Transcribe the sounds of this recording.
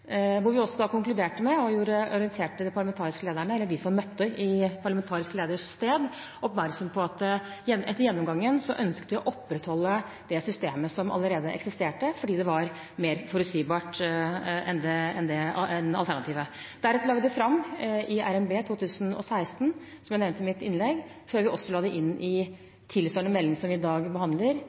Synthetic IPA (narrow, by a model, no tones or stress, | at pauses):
ʋʊɾʋɪɔsːɔd̪ɑːkʊŋklʉd̪eːʈəmɛɔjuːɾəɔɾɪənt̪ʰeːʈəd̪ɪpʰɑɭəmɛnt̪ʰɑːɾɪskəleːd̪æɳəɛlːəɾʋiːsɑmmœt̪ːəʔɪpʰɑɭəmɛnt̪ʰɑːɾɪskəleːd̪əʂst̪eːd̪ | ɔpmæɾksɔmpʰɔɑt̪jɛɛt̪ːəɾjɛnːɔmɡɑŋːənsɔʔœnskət̪ʋɪɔʔɔpːɾɛt̪hɔlːə | d̪̥ɛsʏst̪eːməsɔmɑ̰lːəɾeːd̪əʔɛ̰ksɪst̪eːʈəfɔɖiːd̪ɛʋɑɾ | meːɾfɔɾʉt̪siːbɑːʈ | ɛ̰nd̪ɛɛnd̪ɛɛnɑ̰lt̪ʰæɳɑt̪ʰiːʋəd̪̥æɾɛt̪əlɑːɡd̪ɛfɾɑmːɪʔæɾɛmbeːt̪ʰuːt̪ʰʉːsənɔ̰sæɪst̪n | sɔmjæɪnɛʋnt̪əmɪt̪ɪnlɛɡ | føːɾʋɪʔɔsːɔlɑːd̪ɛʔɪnːʔɪ | t̪ʰɪlsɔːɳəmɛlːɪŋsɔmʋɪɪd̪ɑːɡbəhɑnd̪ləɾ